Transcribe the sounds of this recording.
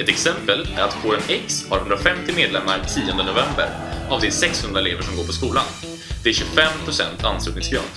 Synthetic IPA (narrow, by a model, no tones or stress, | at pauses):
ɛt̪ɛksɛmpəlæ̰ɾat̪kʰoːɾənɛkshaɾhɵnd̪ɾafɛmt̪ɪmeːd̪lɛmːaɾt̪ʰiːɔnd̪ənʊvɛmbə̰ɾ | avd̪ɛsɛkshɵnɾaɛleːvəʂɔmɡoːɾpʰɔskuːlan | d̪̥ɛæɾɕɵfɛmpʰɾʊsɛ̰nt̪ʰa̰nslʉ̟ːt̪ɪŋsɡɾɑ̰ːn